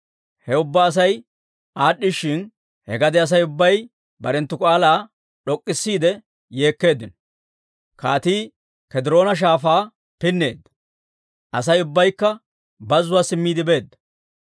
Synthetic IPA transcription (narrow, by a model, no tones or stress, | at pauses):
hɛʊbːaːs̬ɐj | aːɗːɪʃːɪn | hɛ̰ɡɐd̪ɛɐs̬ɐjʊbːɐj | bɐɾɛnt̪ːʊkʼaːlaː | ɗɔkʼːɪsːiːd̪ɛ | je̞ːkːe̞ːd̪ːɪnɔ | kaːt̪iː | kɛd̪ɪɾo̞ːnɐʃ̬aːfaː | pɪnːe̞ːd̪ːɐ̥ | ʔɐsɐjʊbːɐjkːɐ | bɐzʊwaːsɪmːiːd̪ɪbe̞ːd̪ːɐ̥